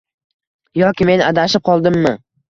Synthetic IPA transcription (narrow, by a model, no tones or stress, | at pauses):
jɒkʲɪme̞nad̪aʃɪp̚qʰɒlˠd̪ɪmːɪ